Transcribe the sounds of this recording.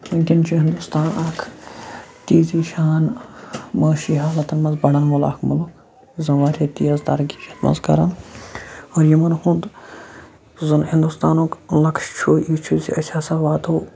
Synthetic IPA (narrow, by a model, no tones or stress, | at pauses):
inʲkʲint͡ʃʰuɦɪnd̪ust̪aːnaːkʰ | t̪iːziːʃaːn | mɐːʃiːɦaːlɐt̪ɐnmɐnzbɐɽɐnmula̰ːkʰmuluk | zɐʋaːɾʰʲeːt̪ijɐzt̪ɐ̰ɾɡi̥t͡ʃʰɐt̪mɐ̰nzkɐ̰ɾɐn | oːɾjimɐnhũnd̪ | zɨnhind̪ust̪aːnoːklɐkʃt͡ʃʰoːiːt͡ʃʰuziɐt͡ʃʰaːsaːʋaːt̪oː